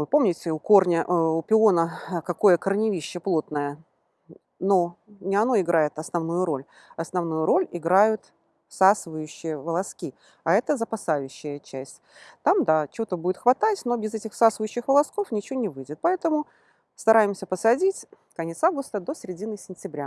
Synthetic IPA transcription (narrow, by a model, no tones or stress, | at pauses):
vɨpo̞mnʲɪtʲɪʊko̞rnʲəʔʊpʲɪo̞nəkɐko̞jəkərnʲɪvʲiɕːəplˠo̞t̪nəjə | no̞nʲɪɐno̞ɪɡɾajɪt̪ɐsnɐvnujʊɾo̞lʲ | ɐsnɐvnujʊɾo̞lʲɪɡɾajʊt̪ | sasɨvəjʉɕːɪjəvəlˠɐskʲi | ɐɛt̪əzəpɐsajʉɕːɪjət͡ɕæsʲtʲt̪amd̪at͡ɕɪot̪əbudʲɪt̪xvɐt̪atʲno̞bʲɪzɛtʲɪxsasvəjʉɕːɪxvəlˠɐsko̞fnʲɪt͡ɕɪvʲonʲɪvɨjdʲɪt̪̚pɐɛt̪əmʊ | st̪ɐɾʔajɪmsʲəpəsɐdʲitʲ | kɐnʲet̪savɡʊst̪əd̪o̞sʲɪɾʲɪdʲinɨsʲɪnʲtʲɪbɾʲa